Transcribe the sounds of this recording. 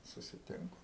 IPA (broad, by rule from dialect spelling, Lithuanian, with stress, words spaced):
sʊsʲɪˈtʲɪŋkʊ